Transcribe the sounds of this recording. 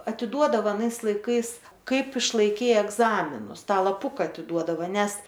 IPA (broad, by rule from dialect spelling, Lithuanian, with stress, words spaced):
ɐtʲɪˈduɔdɐʋɐ ɐˈnɐɪs lˠɐɪˈkɐɪs ˈkɐɪp ɪʃlˠɐɪˈkʲɛɪ ɛɡˈzɑːmʲɪnʊs ˈtɑː lˠɐˈpʊkɐ ɐtʲɪˈduɔdɐʋoː ˈnʲɛs